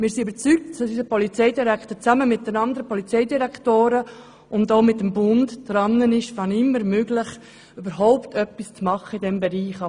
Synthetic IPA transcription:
mɪːɾsiøbəɾt͡syk̚tsɔyzəpɔlit͡sɛɪdiɾæktət͡sæməmɪt̚d̥ənɑndəɾəpɔlit͡sɛɪdiɾækχtoːɾə | ʊndoʊmɪtːəmbʊndd̥ɾɑnːənɪʃfɑnɪmːəɾmøɡlɪχ | ybəɾɦɔʊptʰœpːist͡smɑχːəidɛmbɛɾiːχɑ

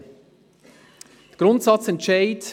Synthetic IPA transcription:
d̥əɡ̥ɾʊntsɑt͡sɛntʃaɪt

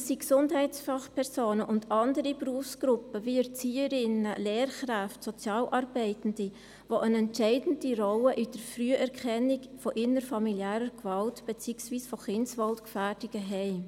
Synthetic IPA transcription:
siksʊndhɛɪtsfɑχpʰɛɾsoːnəʔʊndɑndəɾibɾuəfsɡ̥ɾʊpəviəɾt͡siːəɾɪnəleːɾχɾæftsɔt͡sjɑːlʔɑɾbɛɪtn̩d̥i | voʔənɛntt͡ʃɛɪdn̩diɾɔwəʔɪd̥əɾfryəʔɛɾkχɛnɪkfɔʔɪnəɾfɑmiljæːɾəɾɡvɑltb̥et͡siːksviːsfɔχɪnsvɑltkfæːɾd̥iɡ̥əɦɛɪ

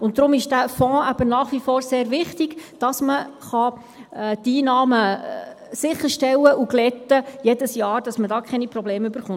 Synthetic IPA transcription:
ʊnt̚tːɾʊmɪʃd̥æfɔ̃ːæb̥ənɑːχʋifɔːɾseːɾʋɪχtɪɡ̥d̥ɑsməχɑ | tiːnɑːmə | sɪχːəɾʃtɛlːəʔuɡlɛt̪ːəjɛdəsjɑːɾd̥ɑsmədɑːkʰɛniprɔbleːmʉb̥əɾχʊn

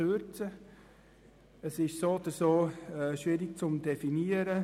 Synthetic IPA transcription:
øɾt͡sə | əsɪʃsoːd̪əsoːɛːʃʋɪɾɪk̚t͡sʊmdɛfiniəɾə

